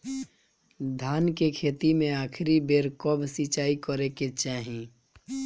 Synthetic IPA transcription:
d̪ʱaːnkekʰeːt̪imẽaːkʰɾibeːɾkɔbsit͡ʃaːikəɾeket͡ʃaːɦĩ

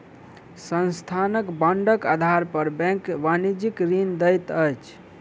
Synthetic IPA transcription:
sənst̪ʰanəkbəɳɖəkad̪ʱaɾpəɾbɛ̃ŋkbanid͡ʒikɾind̪əjt̪əjt͡ʃʰ

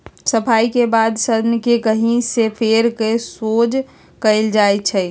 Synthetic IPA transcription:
səpʰaikebad̪səd̪nəkekəɦĩsepʰeɾkesod͡ʒ | kəɪld͡ʒajt͡ʃʰɛ

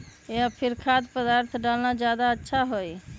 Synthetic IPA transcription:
eapʰiɾkʰad̪pəd̪aɾt̪ʰɖalnad͡ʒjad̪aətːʃʰaɦoj

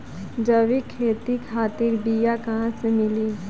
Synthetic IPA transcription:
d͡ʒəʋikʰːeːt̪ikʰaːt̪iɾbijakaɦãsemɪli

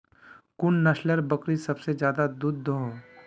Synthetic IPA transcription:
kʊnːɐʃləɾbɐkɾisɐbsed͡ʒjaːd̪ad̪ud̪ːoɦõ

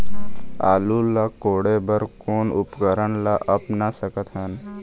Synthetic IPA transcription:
a̰ːlulakoːɽebəɾkoːnʊpkəɾənlaʔɐpnasəkət̪ɦən

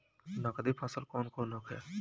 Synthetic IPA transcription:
nakəd̪ipʰaːsəlkɔːnkoːnoːkʰɛ̰ː

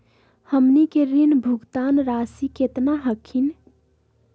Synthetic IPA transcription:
həmnikeɾinbʱuɡt̪anɾasiket̪naɦəkʰin

